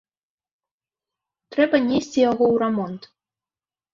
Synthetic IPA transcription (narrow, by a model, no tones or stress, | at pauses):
t̪ɾɛbɐnʲesʲt͡sʲijaɣɔwɾamɔnt̪